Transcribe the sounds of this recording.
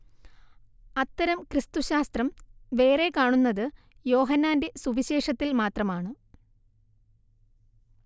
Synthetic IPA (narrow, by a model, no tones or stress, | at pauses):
ɐt̪ːɐɾɐmkrɨst̪uɕaːst̪rɐmʋe̞ːre̞kaːɳunːɐðɨ | jo̞ːɦɐnːaːnde̞suʋiɕe̞ːʂɐt̪ːilmaːt̪rɐmaːɳɨ